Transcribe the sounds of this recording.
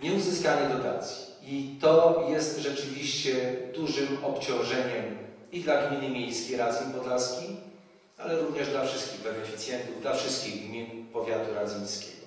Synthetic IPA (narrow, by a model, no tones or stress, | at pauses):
ɲɛuzɘskaɲɛd̪ɔt̪a̰t̪sʲji̥ | it̪ɔjɛst̪ʐɛt͡ʂɘvʲiɕt͡ɕɛd̪uʐɘmɔpt͡ɕɔ̃w̃ʐɛɲɛm | id̪laɡmʲinɘmʲjejskʲejɾazʲjipɔd̪laskʲij | a̰lɛɾuvɲɛʐd̪lafʂɘst̪̚kʲiɣbɛnɛfʲi̥t̪sʲjɛnt̪uvd̪lafʂɘst̪̚kʲiɣɡmʲinpɔvʲjat̪uɾazʲjij̃skʲɛɡ̥ɔ